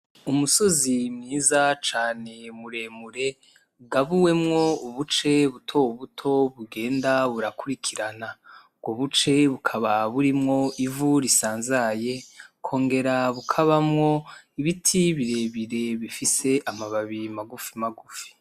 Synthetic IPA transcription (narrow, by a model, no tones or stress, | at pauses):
umuso̞zimŋiːzat͡ʃaːne̞muɾe̞ːmuɾe̞ | ɡaβuwe̞mŋo̞uβut͡ʃe̞βutʰo̞wβutʰo̞βuɡe̞ːndaβuɾakuɾikʰiɾana | bɡoβut͡ʃe̞βukʰaβaβuɾimŋo̞ʔivuɾisaːnzaje̞kʰo̞ːŋɡe̞ɾaβukʰaβamŋo̞iβitʰiβiɾe̞βiɾe̞βifise̞ʔamaβaβimaɡufimaɡufi̥